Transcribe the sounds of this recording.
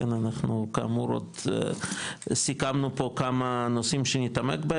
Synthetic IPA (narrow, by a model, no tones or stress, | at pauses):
enanaχnukamuɾo̰d̪ | sikamnupokamanosimʃenit̪amḛkbe